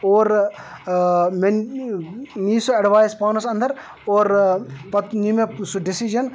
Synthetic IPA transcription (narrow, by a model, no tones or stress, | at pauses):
oːɾ | men | niːsuɐɖʋaːjspaːnɐsɐ̃nd̪ɐɾ | oːɾpɐt̪nimesuɖɪsid͡ʒɐn